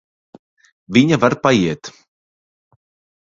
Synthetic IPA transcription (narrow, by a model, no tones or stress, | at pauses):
vʲiɲavaɾpajiɛt̪